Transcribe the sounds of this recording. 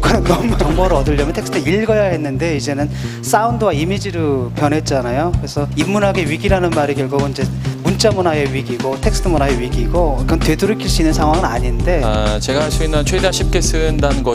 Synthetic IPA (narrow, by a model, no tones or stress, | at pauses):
kɯnɯnnʌmunʌmbʌɾɯʌdɯʎːʌmjʌntʰeks͈ʰtʰɯiɭɡʌjaɦe̞nːɯnde̞id͡ʑe̞nɯn | s͈aundɯwaimid͡ʑiɾɯpjʌnɦe̞t̚t͡ɕ͈anajokɯɾe̞sʰʌimːunɦaɡeɥiɡiɾanɯnmaɾiɡjʌɭɡoɡoind͡ʑe̞munt͡ɕ͈amunae̞ɥiɡiɡotʰe̞k̚s͈ʰɯ̥tʰɯmunaeɥiɡiɡok͈antwe̞duɾɯkʰiɭs͈uinːɯnsʰaŋɦwaŋɯnaɲinde̞at͡ɕe̞ɡaɕʰiinant͡ɕʰwedaɕʰip̚k͈esʰɯndanɯnɡʌ